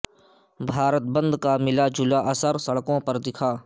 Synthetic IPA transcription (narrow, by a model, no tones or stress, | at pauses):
bʱaːɾət̪̚bə̃nd̪kaːmɪlaːd͡ʒʊlaːʔəsəɾsɐɽkõːpɐɾd̪ɪkʰaː